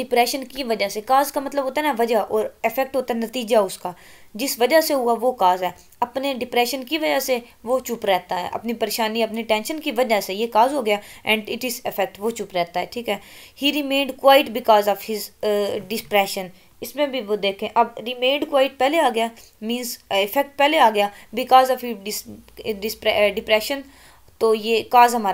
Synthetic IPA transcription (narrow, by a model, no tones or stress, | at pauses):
ɖɪpɾɛːʃənkiʋɐd͡ʒasekaːzkamɐt̪ləbɦoːt̪anaʋɐd͡ʒaʔɔːɾɪfɛk̚ʈɦoːt̪aɦɛnɐt̪iːd͡ʒaʊskaː | d͡ʒɪsʋɐd͡ʒaseɦʊaʋokaːzɦɛː | ɐpneɖɪpɾɛːʃənkiʋɐd͡ʒase | ʋot͡ʃʊpɾɛːt̪aɦɛ̰ːʔɐ̰pnipɐɾeːʃaːniɐpniʈɛ̃ːnʃənkiʋɐd͡ʒasejekaːzɦoːɡɪjaːɛ̃ːɳɖɪʈɪzɪfʰɛk̚ʈʋot͡ʃʊpɾɛːt̪aɦɛːʈʰiːkɦɛːhiːɾimẽːɳɖkʋaːɪʈbɪkɔːzɔːʋhɪzɖɪspɾɛːʃə̃n | ɪsmẽbʱiʋod̪eːkʰẽʔɐbɾimẽːɳɖkwaːɪʈ̚pɛːleaːɡɪja | mĩːnzɪfɛk̚ʈ̚pɛːleaːɡɐjaːbɪkɔːzɔʋiɖɪsɖɪspɛɖɪpɾɛːʃə̃n | t̪ojeːkaːzɦɐmaːɾa